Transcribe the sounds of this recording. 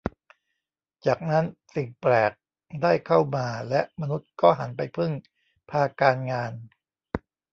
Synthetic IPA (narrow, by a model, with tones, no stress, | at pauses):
t͡ɕaː˨˩k̚na˦˥nsi˨˩ŋplɛː˨˩k̚ | daː˥˩jkʰa˥˩wmaː˧lɛ˦˥ʔma˧nu˦˥t̪̚kɔː˥˩ɦa˩˦npa˧jpʰɯ˥˩ŋ | pʰaː˧kaː˧nŋaː˧n